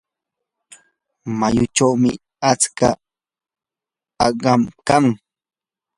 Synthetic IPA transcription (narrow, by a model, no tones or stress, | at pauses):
majʊt͡ʃawmɪ | at͡ska̰ | ɑɢɑmkaŋ